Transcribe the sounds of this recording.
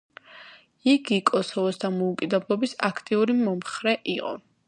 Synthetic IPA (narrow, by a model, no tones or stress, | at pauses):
iɡikʼɔsɔvɔsd̪amɔukʼid̪ɛblˠɔbisakʰt̪ʼiuɾimɔmχɾɛʔiqʼɔ̰